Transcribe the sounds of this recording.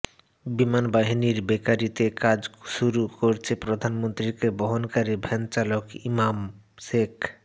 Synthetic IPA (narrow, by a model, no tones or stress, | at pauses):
bimanbaɦiniɾbekaɾit̪ekad͡ʑʃuɾukoɾt͡ɕʰepɾod̪ʱanmont̪ɾikeboɦonkaɾibʱɛnt͡ɕalokimam | ʃek